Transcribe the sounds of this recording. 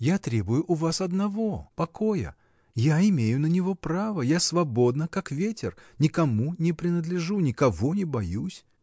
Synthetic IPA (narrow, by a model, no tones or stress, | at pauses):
jat̪ɾʲe̞bʊjʊʔʊvasɐd̪nɐvo̞pɐkojə̰ | jaɪmʲejʊnənʲɪvo̞pɾavəjasvɐbo̞d̪nəkakvʲetʲɪrnʲɪkɐmunʲɪpɾʲɪnəd̪lʲɪʐunʲɪkɐvonʲɪbɐjusʲ